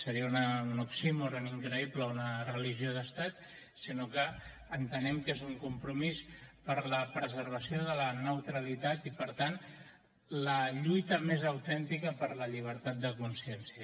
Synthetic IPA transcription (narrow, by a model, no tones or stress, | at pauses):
səɾiəunəunuksimureniŋkɾəipləunərəliʒioð̞əst̪at̪̚ | sinokəː | nt̪ənɛmkezuŋkumpɾumispəɾləpɾəzəɾβ̞əsioðələnəwt̪ɾəlit̪at̪ipəɾt̪an | ləʎujt̪əmezəwt̪ɛnt̪ikəpəɾləʎiβ̞əɾt̪at̪̚d̪əkunsiɛnsiə